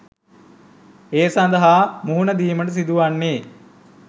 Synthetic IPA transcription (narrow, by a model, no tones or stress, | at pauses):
eːsand̪əɦaːmuɦunəd̪iːməʈəs̬id̪uʋanːeː